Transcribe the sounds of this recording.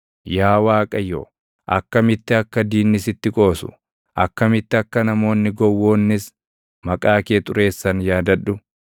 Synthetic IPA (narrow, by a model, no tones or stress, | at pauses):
jaːwaːkʼɐjo̰ː | ʔɐ̰kːɐmɪt̪ːɪɐkːɐd̪iːnːɪsɪt̪ːɪkʼo̞ːsʊ̥̰ | ʔɐkːɐmɪt̪ːɪɐkːɐnɐmo̞ːnːɪɡɔwːo̞ːnːɪs | mɐkʼaːkeːt̪ʼʊɾe̞ːsːɐnjaːd̪ɐᶑʊ